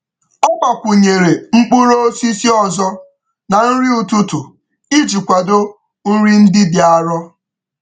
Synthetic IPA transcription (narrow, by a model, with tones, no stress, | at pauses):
ɔ˦ɡ͡ba˨kʷu˨ɲe˨ɾe˨ŋ͡m̩˦k͡pu˦ɾo˦o˦si˦si˦ɔ˨zɔ˦ | na˨n̩˦ɾi˦u˨tu˦tʊ˨ | i˦d͡ʒi˨kʷa˨do˦ | n̩˦ɾi˦n̩˦dɪ˦dɪ˨a˨ɾɔ˦